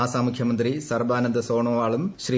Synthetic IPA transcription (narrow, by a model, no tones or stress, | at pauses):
aːsaːmukʰjɐmɐnd̪risɐrbaːnɐnd̪ɐsoːɳoːʋaːɭumɕriː